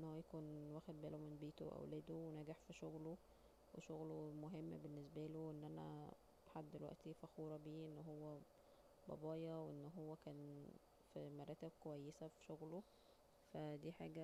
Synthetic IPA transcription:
ʔenːhowːæjækuːnwæːxed̪̚bæːlomenbeːt̪oʔæ̰wlæːd̪owenæːɡeħfiʃoɣlo | weʃoɣlomoɦemːbenːes̬bæloʔenːʔænæ̰ | ħad̪ːelwæ̰ʔt̪ifæxuːɾˤɑbiːʔenːɦowːæ | bɑ̰bɑːjɑweʔenːɦowːækæːn | fimɑɾˤɑːt̪eb̚kowæjːesæfi̥ʃoɣlo | fæd̪iːħa̰ːɡæ

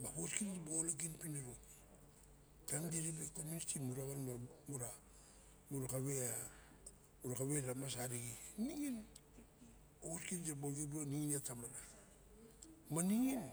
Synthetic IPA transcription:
makoskind͡ʒabolak̬inpineɾoki | tamɡiɾibekomunitimiɾaβanmamuɾa | muɾakaβea | uɾakaβeɾamasaɾiɡiniŋin | ooskind͡ʒaboɡibɾoniŋinatamana | maniŋin

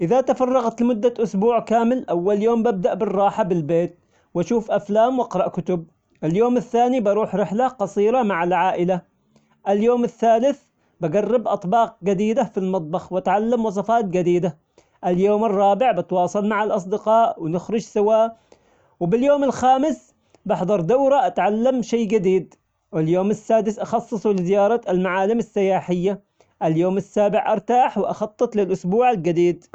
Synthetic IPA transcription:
ʔɪðat̪afɑrˤːɑɣɑt̪lmʊd̪ːaʔʊsbuːʕkaːmɪlʔawːaljoːmbɪb̚d̪aʔbɪrˤːɑːħabɪlbeːt̪̚ | waʃuːfʔaflaːmwʔɑqɾˤɑʔkʊt̪ʊb̚ | ʔɪljoːmɪθːaːnibɑɾˤuːħɾɪħlaqɑsˤiːɾamaʕalʕaːʔɪla | ʔɪljoːmɪθːaːlɪθ | baɡarːɪbʔɑt̪ˤbɑːq̚ɡad̪iːd̪afilmɑt̪ˤbɑxwat̪ʕalːamwɑs̬ˤɑfɑːt̪̚d͡ʒad̪iːd̪a | ʔaljoːmɑrˤːɑːbɪʕbɪt̪wɑːsˤɑlmaʕalʔɑs̬ˤd̪ɪqɑːʔwnɪxɾˤʊd͡ʒsɪwaːʔ | wɪbɪljoːmɪlxaːmɪs | bɪħd̪ˤɑɾˤd̪awɾaʔat̪ʕalːamʃaːɡad̪iːd̪ | wɪljoːmasːaːd̪ɪsʔɑxɑsˤːɨsˤulɪzɪjɑːɾˤɑalmaʕaːlɪmasːɪjaːħɪjːa | ʔɪljoːmɪsːaːbɪʕʔɑ̰ɾˤt̪aːħwɪʔɑxɑt̪ˤːɨt̪lɪlʔʊsbuːʕald͡ʒad̪iːd̪

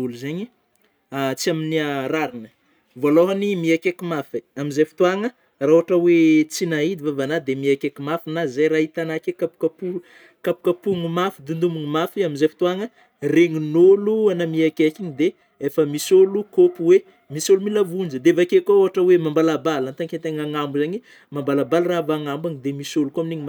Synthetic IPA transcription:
uluzaɲi | at͡siaminiaɾaɾinə | voaloɦanimiakekimafeamizafi̥t̪uaŋə | raoaʈ͡ʂəwet͡sinaid̪ivavanad̪emiakekimafinazajɾaɦit̪anakekapu̥kapu | kapu̥kapuŋumafid̪und̪umuŋumafiaminzafi̥t̪uaŋə | reŋunoluanamiakekiɲid̪e | efəmisolukopuwe | misolumilavund͡ʒəd̪eevakekooɦaʈ͡ʂəwemambalabalant̪aŋkent̪eŋaŋambuzaɲi | mambalabalravaŋambaŋid̪emisolukoaminiɲima

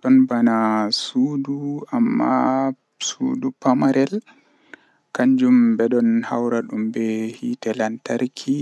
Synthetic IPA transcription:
ɗɔnbanasuːduamːa̰ | sṵdupamaɾɛl | kaɲd͡ʒumbɛɗɔnha̰wɾaɗumbɛhitɛlantaɾkʰi

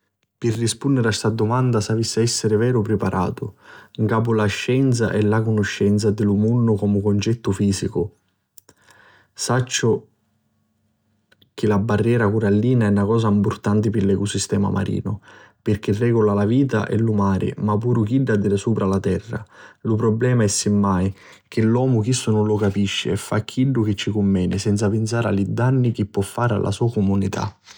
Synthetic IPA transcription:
pɪrːispunːɪɾast̪ad̪ʊmand̪asavisːɪɛsːɪɾɪvɛːɾʊpɾɪpaɾʔa̰ːt̪ʊiŋkaːp̬ʊlaʃːɛnt̪sa̰ʔɛlːakʊnʊʃːɛnt̪sad̪ɪlumunːʊkɔmʊkʊnt͡ʃɛt̪ːʊfiːsikʊ | sat͡ʃːʊ | k̟ɪlabːarːjɛːɾakuɾalːiːnaɛnːakɔːs̬aimpʊrt̪ant̪ɪpɪlɛkʊsist̪ɛːma̰mʔa̰ɾḭːnʊ | pɪrk̟erːɛːɡʊlalaviːt̪a̰ʔɛ̰lumaːɾɪ̰mapːuːɾʊk̟iɖːad̪ːiɾɪsuːpɾalat̪ɛrːa̰lʊpɾɔblɛːmaɛsːɪmːaj | k̟ɪlːwɔːmʊk̟isːʊnʊnlʊkapiʃːɪ̰ɛfːakʰːilːʊk̟ɪt͡ʃːikʊmːɛːnɪsɛnt̪sapɪnt̪s̬aːɾa̰lid̪anːik̟ipːwɔfːaːɾa̰lʔa̰suːakumunit̪ʰa̰

